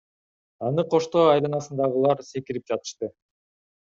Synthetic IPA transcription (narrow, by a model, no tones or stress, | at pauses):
ɑnɯqʰo̞ʃt̪o̞ɑjlˠɯnɑsɯnd̪ɑʁɯlˠɑɾse̞kiɾip̚d͡ʒɑt̪ɯ̥ʃt̪ɯ